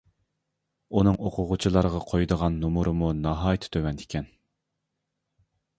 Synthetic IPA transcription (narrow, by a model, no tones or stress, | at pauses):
unɨŋoqʰʊʁʊt͡ʃʰilˠɑɾəʁɑqʰojd̪əʁɑnːumuɾʔɨmunɑɦɑːjt̪ʰɪ̥t̪ʰøwɛnd̪ɪ̥kʲʰɛn